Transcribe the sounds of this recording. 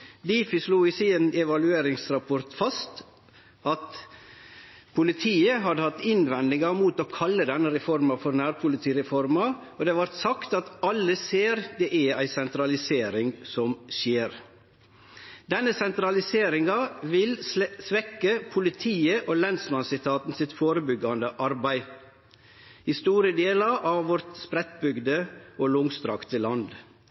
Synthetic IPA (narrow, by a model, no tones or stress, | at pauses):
d̪iːfɪsluːiːsiːnɛʋɑlʉeːɾɪŋsɾɑpʰɔɾt̪fɑst̪ | ʔɑt̪ | pʰʊlɪt̪ʰiːəɦɑd̪əhɑt̪ːɪnʋɛnd̪ɪŋɑmuːt̪oːkʰɑlːəd̪ɛnːəɾɛfɔɾmɑfɔɾnæːɾpʰʊlɪt̪ʰiːɾɛfɔɾmɑoːd̪ɛːʋɑɾt̪sɑkt̪ɑt̪ɑlːəseːɾd̪ɛʔææɪsɛnt̪ɾɑlɪseːɾɪŋsɔmʃeːɾ | d̪ɛnːəsɛnt̪ɾɑlɪseːɾɪŋɑʋɪlsʋɛkːəpʰʊlɪt̪ʰiːəʔoːlɛnd̪smɑnsɪt̪ʰɑːt̪n̩sɪt̪foːɾəbʏɡɑnd̪əʔɑɾbæɪ | hɪst̪uːɾəd̪eːlɑɾʔɑʋʋɔɾt̪spɾɛt̪bʏɡd̪əoːlʊŋst̪ɾɑkt̪əlɑnd̪